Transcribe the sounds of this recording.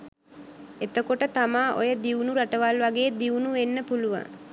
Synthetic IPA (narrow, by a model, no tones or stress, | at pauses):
et̪əkoʈət̪amaːʔo̰jəd̪iunuɾaʈəʋalʋaɡeːd̪iunuʋenːəpuluʋa̰ŋ